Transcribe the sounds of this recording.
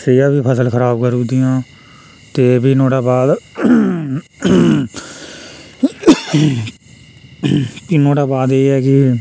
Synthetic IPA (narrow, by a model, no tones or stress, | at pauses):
sejãːbiːpʰəsəlkʰəɾaːbkəɾũːd̪iːjãː | t̪eːbʱiːnõːɽaːbaːd̪ | kɪnoːɽaːbaːd̪eːɛːkɪ